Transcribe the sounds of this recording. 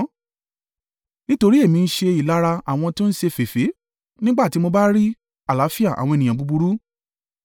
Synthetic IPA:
nĩ˦to˧ɾi˦e˦˨mĩ˧n̩˦ʃe˧i˨la˨˦ɾa˧a̰˨w̃ɔ̃˧to˦n̩˦ʃe˧fe˨fe˨˦ | nĩ˦ɡ͡ba˦˨ti˨˦mo˧ba˦ɾi˦ | a˦˨la˨˦fi˦a˦˨ʔa̰˨w̃ɔ̃˧e˨nĩ˨ã˨bu˧bu˧ɾu˦

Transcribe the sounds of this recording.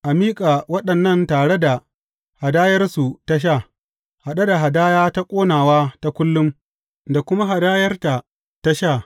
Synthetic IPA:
ʔa˨miː˦kʼaː˨wɐ˦ɗɐ˨nːɐ˦˨ntaː˨ɽe˦da˨ | ha˨daː˦jɐ˦rsu˨ta˦ʃ̬aː˦˨ | ha˨ɗa˦da˨ɦa˨daː˦jaː˦ta˦kʷʼoː˦naː˨waː˦ta˦kʷʊ˦lːʊ˦m | da˨kʷʊ˦ma˦ɦa˨daː˦jɐ˦rta˨ | ta˦ʃaː˦˨

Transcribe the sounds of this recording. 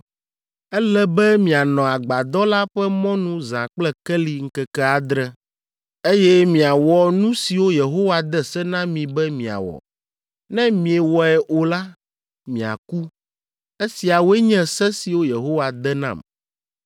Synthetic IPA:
ɛ˦lɛ˦bɛ˦mĩ˨a˨nɔ̃˨a˨ɡ͡ba˨d̪ɔ˦la˦ɸɛ˦mɔ̃˦nũ˦zã˨k͡plɛ˦kɛ˦li˨ŋ̩˦kɛ˨kɛ˦a˨d̪ɾɛ˦ | e˦jɛ˦mĩ˨a˨wɔ˨nũ˦si˨wo˦je˨ɦo˦wa˨d̪ɛ˦sɛ˦nã˦mĩ˨bɛ˦mĩ˨a̰˨wɔ̰˨ | nɛ̃˦mĩ˨e˨wɔ˨ɛ˨ʔo˨la˦ | mĩ˨a̰˨ku˦ | e˦si˨a˨wɛ˦ɲɛ̃˦sɛ˦si˨wo˦je˨ɦo˦wa˨d̪ɛ˦nã̰˨m

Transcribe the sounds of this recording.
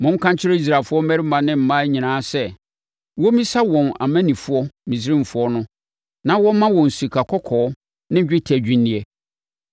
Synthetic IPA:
mʊ̃˦m̩˦kʰã˦ɲ˦t͡ɕʰɪ˦ɾe˦i˦s̬ɾaː˨fʊ˦ɔ˦mæ˦ɾɪ˦mã˨nɪ̃˦m̩˨mã˦ɲĩ˨nãː˦sɛ˦ | wɔ˦mĩ˦sa˦wɔ̃˨na̰˨mæ̃˦nĩ˨fʊ˦ɔ˦mĩ˨s̬ɾɪ̃˦m̩˨fʊ˦ɔ˦nʊ̃˦ | nã˦wɔ̃˦mã˦wɔ̃˨n̩˨si˨kʰa˨kʰɔ˦kʰɔː˨˦ | nɪ̃˦d͡ʑᶣɪ˦tʰæ˨d͡ʑᶣĩ˦nːĩ˦ɛ˦

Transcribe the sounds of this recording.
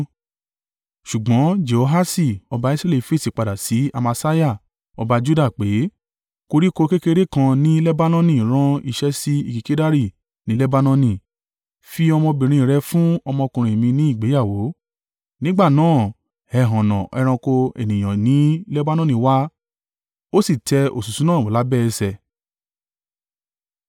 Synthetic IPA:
ʃu˨ɡ͡bɔ̃˨˦d͡ʒe˨o˧ɦa˦si˦˨ɔ˧ba˧˦i˦sɾɛ˦li˨fe˦˨si˨k͡pa˨da˨si˨˦a̰˧ma˧sa˦ja˦˨ | ɔ˧ba˧d͡ʒu˦da˦˨k͡pe˨˦ | ko˧ɾi˦ko˧ke˦ke˧ɾe˦kã˧nĩ˦lɛ˦ba˦nɔ̃˦nĩ˦˨ɾ̃ã˦i˦˨ʃɛ˦si˦ḭ˧ki˨ke˦da˦ɾi˦˨ | nĩ˨˦lɛ˦ba˦nɔ̃˦nĩ˦˨ | fi˧ɔ˧mɔ̃˧bĩ˨ɾ̃ĩ˧˨ɾɛ˧fũ˦ɔ˧mɔ̃˧kũ˧ɾ̃ĩ˨e˨mĩ˧nĩ˨˦i˦˨ɡ͡be˨˦ja˦˨wo˨˦ | nĩ˦ɡ͡ba˦˨nãː˦˨ | ɛ˨ɦɔ̃˨nɔ̃˨ʔɛ˧ɾ̃ã˧ko˧ḛ˨nĩ˨j̃ã˨nĩ˨˦lɛ˦ba˦nɔ̃˦nĩ˨wa˦ | o˦si˦˨tʰɛ˧o̰˨su˨sũ˨˦nãː˦˨o˨la˨˦bɛ˦˨ɛ˧sɛ˨

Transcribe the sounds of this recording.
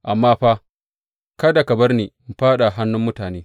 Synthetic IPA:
ʔa˨mːaː˦ɸaː˦ | ka˦da˨kɐ˨bɐ˦rneː˨m̩˨ɸaː˦ɗa˨ɦa˦nːʊ˦mːʊ˦taː˨neː˦

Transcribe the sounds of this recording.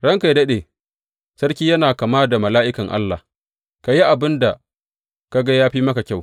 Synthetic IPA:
ɽɐ˦ŋka˨jdɐ˦ɗeː˨ | sɐ˦rkʲiː˦jɐ˦naː˨ka˨maː˦da˨mɐ˨laː˦ʔɪ˦kɐ˨ŋʔa̰˦lːa̰˨ | ka˨ji˦ʔa˨bɪ˦nda˨ | ka˦ɡa˦jaː˦ɸiː˦mɐ˦ka˨kʲa˦˨w

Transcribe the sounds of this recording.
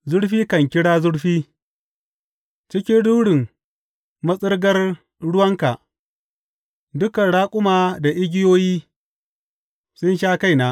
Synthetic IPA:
zʊ˦ɽɸiː˦kɐ˨ŋkʲɪ˦ɽaː˦zʊ˦ɽɸiː˦ | t͡ʃɪ˦kʲɪ˦nduː˦ɽɪ˨ŋ | mɐ˦sʼɪ˦rɡɐ˦r | ɽʊ˦wɐ˦ŋka˨ʔ | dʊ˦kɐ˨nɽaː˦kʷʼʊ˦maː˨da˨ʔɪ˦ɡʲɪ˦joː˦jiː˦ | sʊ˦nʃaː˦ka˦jnaː˦

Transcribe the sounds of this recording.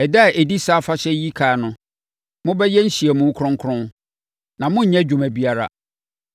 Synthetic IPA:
ɛ˨da˦˨ʔe˨di˦sa˦fa˦ɕɛ˦ji˦kʰa˨nʊ̃˦ | mʊ̃˦bɛ˦jɛ˦n̩˦ɕi˨ɛ˨mʊ̃˦kʰɾʊ̃˦ŋ˦kʰɾʊ̃˦n | nã˨mʊ̃˦ɲ̩˦ɲɛ̃˦d͡ʑᶣũ˨mæ̃˨bi˦a˦ɾa̰˦˨

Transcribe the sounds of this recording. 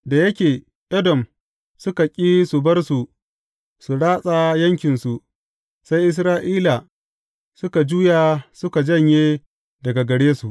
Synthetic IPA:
da˨jɐ˦kʲeː˨ | ʔɛ˦dɔ˨m | sʊ˦ka˨kʲʼiː˦su˨bɐ˦rsu˨ | su˨ɽaː˦sʼa˦jɐ˦ŋkʲɪ˨nsu˨ | sa˦jʔɪ˦s̬ɾaː˦ʔiː˦la˨ | sʊ˦ka˨d͡ʒuː˦jaː˨sʊ˦ka˨d͡ʒɐ˦˨ɲjeː˦ | dɐ˨ɡa˨ɡɐ˨ɽeː˦su˨ʔ

